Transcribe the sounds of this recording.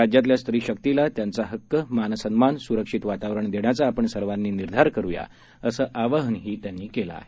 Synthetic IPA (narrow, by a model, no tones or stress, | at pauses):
ad͡ʑjat̪̬ljast̪ɾiːɕək̚t̪ilat̪jant͡saɦəkːəmansənmansuɾəkʂit̪ʋat̪aʋɾəɳd̪eɳjat͡saːpəɳsəɾʋanːiːniɾd̪ʱaɾkəɾuja̰ | əsəːʔaʋəɦənɦiːt̪janːiːkela̰ːɦe